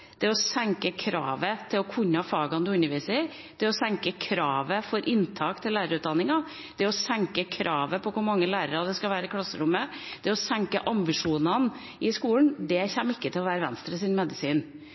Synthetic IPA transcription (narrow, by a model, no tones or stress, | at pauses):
d̪̥ɛɔsɛŋkəkʰɾɑːʋət̪ʰɪlɔkʰʉɲːɑfɑːɡɑnd̪ʉʉnːəɾʋiːsə | d̪̥ɛɔsɛŋkəkʰɾɑːʋəfɔɾʔɪnt̪ʰɑːkt̪ʰɪllæːɾəɾʉːt̪̚d̪ɑnːɪŋɑ | d̪̥ɛɔsɛŋkəkʰɾʔɑːʋəpʰɔkʊɾmɑŋːəlæːɾəɾɑd̪ɛskɑʋæːɾəɪkʰlɑsːəɾʊmːəd̪̥ɛɔsɛŋkəʔɑmbɪʂuːnɑn | ʔɪskuːlɳ̩d̪ɛçɛmːɪkːət̪ʰɪlɔʋæːɾəʋɛnst̪ɾəsɪnmɛd̪ɪsiːn